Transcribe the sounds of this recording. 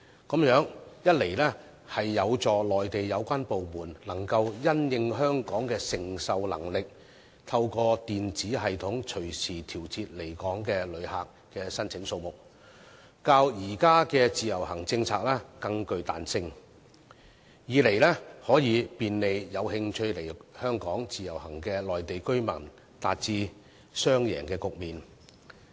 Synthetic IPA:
kɐ˨˥mjœː˨˥ŋjɐ˥t̚le˨˩jlɛː˥ | hɐ˨jːɐ˨˧wt͡sɔː˨lɔː˨jt̪e˨jːɐ˨˧wkʷaː˥npo˨wmuː˨˩nlɐ˨˩ŋkɐ˧wjɐ˥njɪ˧ŋɦœː˥ŋkɔː˨˥ŋkɛː˧sɪ˨˩ŋsɐ˨wlɐ̰˨˩ŋlɪ˨k̚ | t̪ʰɐ˧wkɔː˧t̪iː˨nt͡siː˨˥ɦɐ˨jt̪ʰʊ˨˥ŋt͡ʃʰɵ˨˩ɥsʰiː˨˩t̪ʰiː˨˩wt͡sʰiː˧t̚le˨˩jkɔː˨˥ŋkɛː˧lɵ˨˧ɥhaː˨k | kɛː˧sɐ˥nt͡sʰɪ˨˥ŋso˧wmʊ˨˩k̚ | kaː˧wjiː˨˩kaː˥kɛː˧t͡siː˨jɐ˨˩whɐ˨˩ŋt͡sɪ˧ŋt͡sʰaː˧k̚lɛː˥kɐ˧ŋkɵ˧ɥt̪a̰ː˨nsɪ˧ŋ | jiː˨˧˥le˨˩jlɛː˥hɔː˨˥jiː˨˧piː˨nle˨˧jjɐ˨˧whɪ˧ŋt͡ʃʰɵ˧ɥle˨˩jhœː˥ŋkɔː˨˥ŋt͡siː˨˩jɐ˨˩whɐ˨˩ŋkɛː˧lɔː˨jt̪e˨jkɵ˥ɥmɐ˨˩n | t̪aː˨t̚t͡siː˧ | sœː˥ŋjɛ̰ː˨˩ŋkɛː˧kʊ˨k̚miː˨n

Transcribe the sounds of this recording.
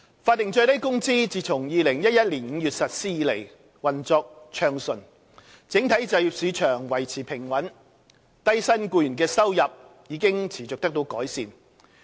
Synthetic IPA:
faː˧t̚ːɪ˨ŋt͡sɵ˧t̪ɐ˥jkʊ˥ŋt͡siː˥t͡siː˨t͡sʰʊ˨˩ŋjiː˨˧lɪ˨˩ŋjɐ˥t̚jɐ˥t̚liː˨˩nŋ̩ː˨˧jyː˨t̚sɐ˨t̚siː˥jiː˨˧le˨˩j | wɐ˨˩nt͡sɔː˧k̚t͡ʃʰœː˧ŋsɵ˨˩n | t͡sɪ˨˥ŋt̪ʰɐ˨˥jt͡sɐ˨˧wji˨p̚siː˨˧t͡ʃʰœː˨˩ŋwɐ˨˩jt͡sʰiː˨˩pʰɪ˨˩ŋwɐ˨˥n | t̪ɐ˥jsɐ˥nkuː˧jyː˨˩nk̬ɛː˧sɐ˥wjɐ˨p̚jiː˨˧˥kɪ˥ŋt͡sʰiː˨˩t͡sʊ˨k̚t̪ɐ˥k̚t̪o˧wkɔː˨˥jsiː˨n

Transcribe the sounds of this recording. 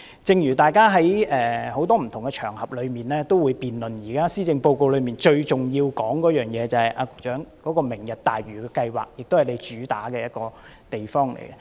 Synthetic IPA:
t͡sɪ˨˧ŋjyː˨˩t̪aː˨˩jkaː˥ɦɐ˨˥jʔɛː˨˩ho˨˥wt̪ɔː˥m̩˨˩t̪ʰʊ˨˩ŋɡɛ˧t͡ʃʰœː˨˩ŋhɐ˨p̚lɵ˨˧ɥmiː˨nlɛː˥t̪o˥wuː˨˧jpiː˨nlɵ˨njiː˨˩kaː˥siː˥t͡sɪ˧ŋpo˧wko˧wlɵ˨˧miː˨˩nt͡ʃɵ˧ɥt͡sʊ˨ŋjiː˧wkɔː˨˥ŋkɔː˨˥jœː˨ŋjɛː˨˧t͡sɐ˨hɐ˨jʔaː˧kʊ˨˥k̚t͡ʃœː˨˥ŋkɔː˨˥kɔː˧mɪ˨˩ŋjɐ˨t̚t̪aː˨jɥyː˨˩kɛː˧kɐ˧jwa̰ː˨k̚jɪ˨k̚t̪whɐ˨˩jle˨˧jt͡ʃyː˨˥t̪aː˨˥kɛː˧jɐ˥t̚kɔː˧ | t̪e˨jfɔː˥ŋlḛ˨˩jkɛ˧˦

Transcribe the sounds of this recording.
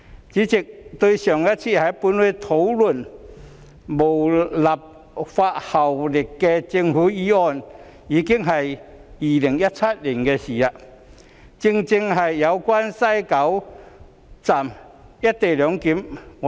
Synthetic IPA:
t͡ɕi˨˦˥t͡ɕi˨k̚t̪wu˧ɕjɔ˨˩ŋja˦˥t̚t͡ɕʰi˥˩ha˨˧˥jpu˧nhwe˧t̪ʰo˨˦wlu˨˩n | mo˨˩wla˨˩p̚ | fa˧t̚ha˨˩wlɪ˨˩kːɛ˧t͡ɕi˧ŋhu˨˥iː˧˥ɔ˧˨n | iː˨˧˥ki˥˧ŋɦɐ˨ji˨˩li˨˩ŋja˦˥t̚t͡sʰa˦˥t̚li˨˩ŋkɛ˧si˨˩a˧ | t͡ɕi˧ŋt͡ɕi˧ŋɦɐ˨jːa˨˧wkwa˦nsa˥˧˩jka˨˦w | t͡sa˨˩m | ja˦˥t̚t̪e˨˩ljɔ˨˧˦ŋki˨˧˥m

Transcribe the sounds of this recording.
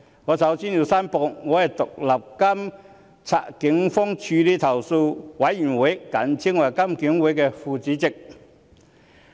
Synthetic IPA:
ŋɔː˨˧sɐ˨˧˥wsiː˥nji˨˧wsaː˥mpɔː˧ŋɔː˨˧hɐ˨jt̪ʊ˨k̚lɐ˨p̚kɐ˥m | t͡sʰa̰ː˧kɪ˨˥ŋfɔ˥ŋt͡ʃʰyː˧liː˥t̪ʰɐ˨˩wso˧wwɐ˨˧˥jːyː˨˩nwʊ˨˥jkɐ˨˥nt͡sʰɪ˥ŋwɐ˨˩jkɐ˥mkɪ˨˥ŋwu˨˥jkɛː˧fuː˧t͡siː˨˥t͡sɪ˨k̚

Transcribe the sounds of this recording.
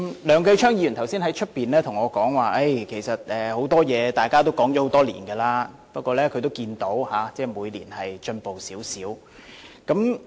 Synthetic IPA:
lœː˨˧ŋkɐ˧jt͡ʃʰœː˥ŋjiː˧˥y˨˩nt̪ʰɐ˨˩wsiː˥nhɐ˨˥jt͡ʃʰɵ˥t̚piː˨nlɛː˥t̪ʰʊ˨˩ŋɔː˨˧kɔː˨˥ŋwaː˨ʔe˥˩jkʰe˨˩jsɐ˨t̚ɛː˨ho˨˥wt̪ɔː˥jɛː˨˧t̪aː˨jkaː˥t̪o˥wkɔː˨˥ŋt͡ʃɔ˨˥ho˨˥wt̪ɔː˥lḭː˨˩nkɛː˧laː˥ | pɐ˥kʷɔː˧lɛː˥kʰɵ˧t̪o˥wkiː˧nt̪o˨˥whaː˨˧t͡sɛː˥˩muː˨˧jlḭː˨˩nhɐ˨jt͡ʃɵ˧npo˨wsiː˨˥wsiː˨˥w | kɐ˨˥m

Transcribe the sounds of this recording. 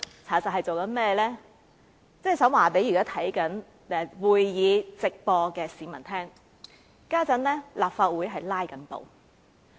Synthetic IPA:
t͡sʰaː˨˥˩sɐ˨t̚hɐ˨jt͡so˨wkɐ˨˥nmɛː˥lɛː˥ | t͡sɛː˥˩sɐ˨˥mwaː˨˩pe˨˥jkaː˥t̪ʰɐ˨˥jkɐ˨˥n | ɛ˨˧wuː˨jːiː˨˧t͡sɪ˨k̚pɔː˧kɛː˧siː˨mɐ˨˩nt̪ʰɛː˥ŋ | kaː˥t͡sɐ˨˥nlɛː˥laː˨p̚faː˧t̚wuː˨˥jɦɐ˨jlaː˥jkɐ˨˥npo̰˨w

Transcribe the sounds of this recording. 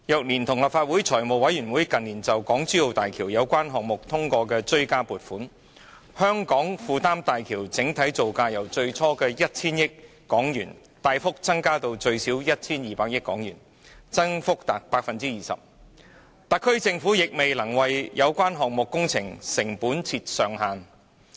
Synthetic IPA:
jœ˨k̚niː˨˩nt̪ʰʊ˨˩ŋlɐ˨p̚faː˧t̚wuː˨˥jt͡sʰɔː˨˩jmo˨˩wɐ˨˥jɥyː˨˩nwuː˨˥jkɐ˨niː˨˩nt͡sɐ˨wkɔː˨˥ŋt͡syː˥jo˨˧wt̪aː˨jkʰiː˨˩wjɐ˨˧wkʷaː˥nɦɔː˨k̚mʊ˨k̚t̪ʰʊ˥ŋkʷɔː˧kɛː˧t͡ʃɵ˥ɥkaː˥puː˨t̚fuː˨˥n | hœː˥ŋkɔː˨˥ŋfuː˧t̪aː˥mt̪aː˨jkʰiː˨˩wt͡sɪ˨˥ŋt̪ʰɐ˨˥jt͡so˨wkaː˧jɐ˨˩wt͡sɵ˧ɥt͡sʰɔː˥kɛː˧jɐ˥t̚t͡sʰiː˥njɪ˥k̚ | kːɔː˨˥ŋjyː˨˩n | t̪aː˧jfʊ˥k̚t͡sɐ˥ŋkaː˥t̪o˧wt͡ʃɵ˧ɥsiː˨˥wjɐ˥t̚t͡sʰiː˥njiː˨˩paː˧k̚jɪ˥kːɔ̰ː˨˥ŋjy̰ː˨˩n | t͡sɐ˥ŋfʊ˥k̚t̪ɐ˨˩k̚paː˧k̚fɐ˨nt͡siː˥jiː˨˩sɐ̰˨˩p̚ | t̪ɐ˨kʰːɵ˥ɥt͡sɪ˧ŋfuː˨˥jɪ˨k̚me˨jlɐ˨˩ŋwɐ˨jjɐ˨˧wkʷaː˥nɦɔː˨k̚mʊ˨kːʊ˥ŋt͡sʰɪ˨˩ŋsɪ˨˩ŋpuː˨˥nt͡sʰiː˧t̚sœː˨ŋɦaː˨n

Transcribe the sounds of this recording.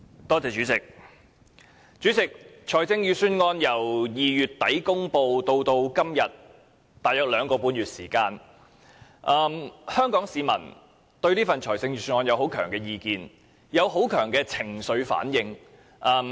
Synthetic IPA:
t̪ɔː˥t͡sɛː˨˧t͡ʃyː˨˥t͡sɪ˨˩k̚ | t͡ʃyː˨˥t͡sɪ˨k̚t͡ʃʰɔː˨˩jt͡sɪ˧ŋjyː˨˧syː˧˥nŋɔː˧njɐ˨˩wjiː˨˧jyː˨˩t̚t̪ɐ˨˥jkʊ˥ŋpo˧wt̪o˧wt̪o˧wkɐ˥mjɐ˨˩t̪̚ | t̪aː˨jœ˥t̚lœː˨˧ŋkɔː˧puː˧nɥyː˨t̚siː˨˩kaː˧n | ʔɐː˨mhœː˥ŋkɔː˨˥ŋsiː˨˧mɐ̰˨˩n | t̪ɵ˧ɥliː˥fɐ˨nt͡ʃʰɔ̰ː˨˩jt͡sɪ˧ŋjyː˨˧syː˧nŋɔː˧njɐ˨wɦo˨˥wkʰœː˨˩ŋkɛː˧jiː˧kiː˧n | jɐ˨˧wɦo˨˥wkʰœː˨˩ŋkɛː˧t͡sʰɪ˨˩ŋsɵ˨˧ɥfa̰ː˨˥njɪ˧ŋ | ʔɐː˨˧m

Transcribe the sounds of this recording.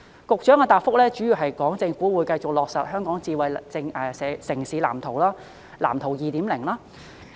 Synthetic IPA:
kʊ˨k̚t͡ʃœː˨˥ŋaː˧t̪aː˨p̚fʊ˥k̚lɛː˥t͡ʃyː˨˥jiː˨˩wɦɐ˨jkɔː˨˥ŋt͡sɪ˧ŋfuː˨˥wuː˨˧˥jkɐ˧jt͡sʊ˨k̚lɔː˨k̚sɐ˨t̚hœː˥ŋkɔː˨˥ŋt͡siː˧wɐ˨jt͡sɪ˧ŋɛː˧sɛː˨˥sɪ˨˩ŋsiː˨˧la̰ː˨˩mt̪ʰo˨˩wlaː˥ | la̰ː˨˩mt̪ʰo˨˩wjiː˨˧t̪iː˨˥mlɪ˨˩ŋlaː˥

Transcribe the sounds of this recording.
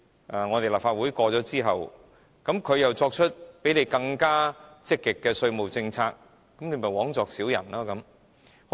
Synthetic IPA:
ʔaː˨ŋɔː˨˧t̪e˨jlɐ˨p̚faː˧t̚wuː˨˥jkɔː˧t͡sɔː˨˥t͡siː˥ɦɐ˨w | kɐ˨˥mkʰɵ˨˧ɥjɐ˨wt͡sɔː˧k̚t͡ʃʰɵ˥t̚pe˨˥jne˨˧jkɐ˧ŋkaː˥t͡sɪ˥kːɪ˨kːɛː˧sɵ˧ɥmo˨wt͡sɪ˧ŋt͡sʰaː˧k̚ː | ɐ˨˥mne˨˧˥mɐ˨˩wɔː˨˥ŋt͡sɔː˨ksiː˨˥wjɐ̰˨˩nlaː˥kɐ˨˦m

